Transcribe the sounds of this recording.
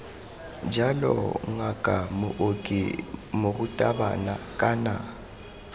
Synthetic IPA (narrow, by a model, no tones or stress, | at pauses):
d͡ʒalɔ̰ŋakʼamʊ̰ʔokʼḭmoɣʊtʼabana̰kʼana